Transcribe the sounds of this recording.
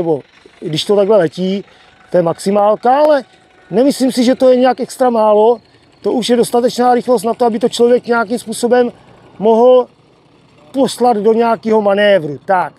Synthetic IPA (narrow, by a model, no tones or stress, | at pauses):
ɛbo | dɪʃt̪ot̪aɡlɛlɛciː | t̪ojɛmaksimaːlkaalɛ | nɛmɪslimsiʒɛt̪o̞jɛɲɛakʔɛkst̪ɾamaːlo̞ | t̪o̞ʔuʃjɛdo̞st̪at̪ɛt͡ʃnaːɾɪxlost̪nat̪oabɪt̪ot͡ʃlovjɛkɲɛak̬imspuːso̞bɛmː | o̞ɦl̩ | po̞slad̪do̞ɲɛakiːɦo̞manɛːvɾut̪ak